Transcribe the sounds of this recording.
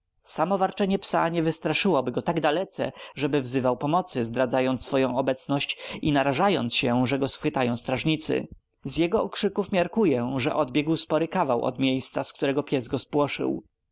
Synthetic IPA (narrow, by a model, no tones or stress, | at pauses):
samɔvaɾt͡ʂɛɲɛpsa̰ɲɛvɘst̪ɾaʂɘwɔbɘɡɔt̪aɡd̪alɛt̪sɛ̰ʐɛbɘvzɘvawpɔmɔt̪sɘzd̪ɾad̪zajɔnt̪sfɔjɔ̃w̃ɔbɛt̪snɔɕt͡ɕinaɾaʐajɔnt̪sɕɛʐɛɡɔsfxɘt̪ajɔ̃w̃st̪ɾaʐɲit̪sɘ̰ | zjɛɡɔɔkʂɘkufmʲjaɾkujɛʐɛ̰ʔɔd̪bʲjɛɡwspɔɾɘkavawɔ̰d̪mʲjejst̪sask̚t̪uɾɛɡɔpʲjɛzɡɔspwɔʂɘ̰w